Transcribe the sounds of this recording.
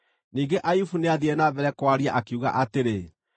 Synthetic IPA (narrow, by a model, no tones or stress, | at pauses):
niːŋɡeʔajufuneaðiɛnavɛɾɛkwaɾia̰ʔakiuɣa̰ʔateɾe